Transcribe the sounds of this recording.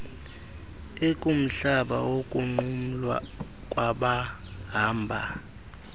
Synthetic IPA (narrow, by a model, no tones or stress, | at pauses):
ekʼum̩ɬaɓa̰wokʼuŋ͡ǃum̩lwa̰ | kʼwaɓa | ɦaːmbʱa